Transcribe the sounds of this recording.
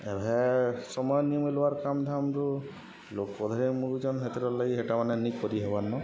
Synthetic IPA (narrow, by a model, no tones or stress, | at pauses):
ɛbʱɛsɔmɔjɔniɔmelowaɹkamd̪ʱamtu | lokpɔd̪ʱaɾimuɾud͡ʒɔnɦet̪iɾɔlaɡiɦɛʈamanɛnikːɔɾiɦɔbanːɔ